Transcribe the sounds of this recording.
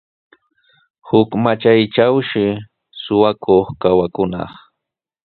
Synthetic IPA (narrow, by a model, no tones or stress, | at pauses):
hʊkmat͡ʃajt͡ʃawʃɪ | sʊwakʰoχkawakʊnɑ̰χ